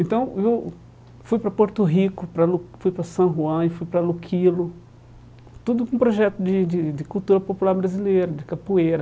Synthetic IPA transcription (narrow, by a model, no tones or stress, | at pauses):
ẽnt̪ɐ̃w̃ew | fujpɾɐpoɾt̪ʊɦikʊpɾɐlufujpɾɐsɐ̃ɦuɐ̃ɪfujpɾɐlukʰilʊ | t̪ud̪ʊkõpɾoʒɛt̪ʊd͡ʒ̪ɪd̪ɪd͡ʒɪkut̪uɾɐpopulaɾbɾazilejɾɐd͡ʒ̪ɪkapueɾɐ